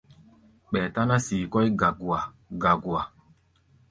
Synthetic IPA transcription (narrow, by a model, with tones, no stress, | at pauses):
ɓɛ˨ta˦na˦siː˨kɔ˦jɡa˨ɡu˨a˨ | ɡa˨ɡu˨a˨